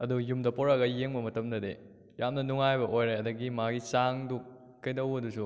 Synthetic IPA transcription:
ɐdujumdɐpoɾɐɡɐjeŋbɐmɐtɐmdɐde | jamnɐnuŋajbɐʔojɾeɐdɐɡimaɡisaŋduk | kːɐjdɐwɐdusu

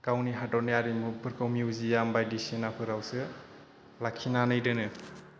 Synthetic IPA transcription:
kawniɦadɔnijaɾimupʰɯɾkʰɯwmiuzijambajdisinapʰɯɾawsɯ | lakʰːinanɯjdɯnɯ

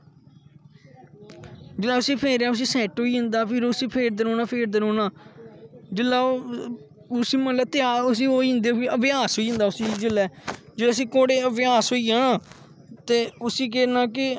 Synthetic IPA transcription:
d͡ʒɪlːaːʊsĩːpʰeːɾaːʊs̬ĩːsɛːʈɦoːiːɦʊ̃nd̪aːpʰɪɾsĩːpʰeːɾd̪əɾõːnaːpʰeːɾd̪əɾoːnaː | d͡ʒɪlːaː | ʊsĩːmət̪ləb̚t̪eaːʊs̬ĩːɦoːiːɦnd̪eɪəʋjaːsɦoːiːɦʊ̃nd̪aːʊsĩːd͡ʒɪlːɛːd͡ʒɪlːs̬ĩːkoːɽeːəʋjaːsɦoːiːɦãː | t̪eːʊsĩːk̬ɛːnaːk̬ɪ

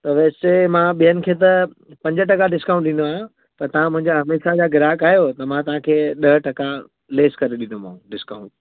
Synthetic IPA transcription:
t̪ɐʋeːst͡ɕemãɓijənɪ̆kʰeːt̪̬ɐ | pɐ̃ɲd͡ʑəʈɐkaɖɪskãːũɳʈ̚ɗɪ̃nd̪oã | pɐɾt̪ɐʋ̤ãmʊ̃ɦɪ̃ɲd͡ʑaɦɐmeːʃad͡ʑaɡɪɾaːkaːɦijot̪ɐmãt̪ɐʋ̤ãkʰeːɗɐɦʈɐka | leːskɐɾeɗĩnomaũɖɪskaũɳʈ̚

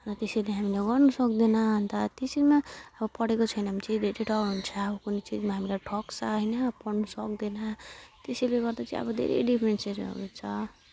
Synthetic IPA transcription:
rʌt̪esʌjleɦamileɡʌrnusʌkd̪inʌɦʌnt̪at̪esimaʌbʌpʌɽekot͡sʰʌjnaɦamt͡sid̪ʱeɾeʈʰʌkɦunt͡sʰaːbʌkunet͡sid͡zmaɦamilaʈʰʌksaɦʌjnʌpʌɽnusʌk̚d̪inat̪esʌjleɡʌrd̪at͡sa̰ḭ̃ʌ̰bʌd̪ʱḛɾḛjɖipʰɾenseɾʌ̰d̪et͡sʰʌ

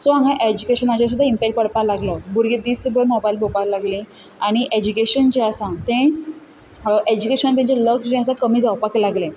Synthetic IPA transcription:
sɔãŋɡãʔed͡ʑukeɕənat͡ɕãs̬ud̪ʱaimpɛkʈ̚pəɽpalaɡlɔbuɾɡed̪iːsəbəɾnɔbajlbopaɾlaɡlĩ | aɽ̃iʔed͡ʑukeɕənt͡ɕeəsãt̪ẽ | ʔed͡ʑukeɕənt̪ãɲt͡ɕaləkd͡ʑɛ̃asãkəmiːd͡zawpaklaɡlẽ

